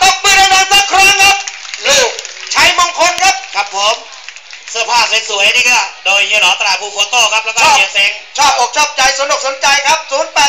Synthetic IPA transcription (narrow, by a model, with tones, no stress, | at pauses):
k̪ɔ˥˩ŋmiː˧˥˩ɾa˧naː˧nsaː˦˧˩kʰɾa˦˥ŋkʰa˦˥p̚luː˨˩k̚t͡ɕʰa˦˥jmɔ˧ŋkʰo˧nkʰa˦˥p̚kʰɾa˦˥pʰːo˨˦m | sɯː˧˩ɐpʰaː˥˩p̚se˨˦nsu˩˦ə˧jɾiː˥˩ka˧˥˩doː˧jːɯː˧˥lɔː˨˩˦t̪a˧ɾaː˨˩pʰuː˧˩kʰu˨˩˦t̪oː˥˩kʰa˦˥p̚lɛː˦˥kːɔ˥˨˩əse˨˦ŋt͡ɕʰɔː˥˩ʔoː˨˩k̚t͡ɕʰɔː˥˩p̚t͡ɕa˧jso˨˦ndu˨˩k̚so˨˦nt͡ɕa˧jkʰa˦˥p̚suː˨˦npɛː˨˩